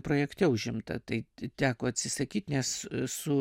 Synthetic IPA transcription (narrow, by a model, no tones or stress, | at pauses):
pɾoːjɛkt̪ʲɛʊʒʲɪmt̪ɐ̰t̪ɐɪt̪ʲæːkoːɐt̪ʲsʲɪsɐkʲiːt̪nʲɛssʊ